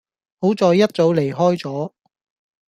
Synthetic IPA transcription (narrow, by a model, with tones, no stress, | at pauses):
ho˨˥wt͡sɔː˧jːɐ˥t̚t͡so˨˧wle˨˩jɦɔː˥jt͡sɔː˨˥